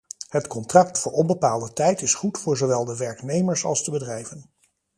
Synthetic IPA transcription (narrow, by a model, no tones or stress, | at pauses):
ɦətkɔntrɑktfʊːɹʔɔnbəpaːlˠdətɛjtɪsχutfʊːɹzowʋɛlˠdəʋɛɹknejməɹsɑ̰lˠzdəbədrɛjvən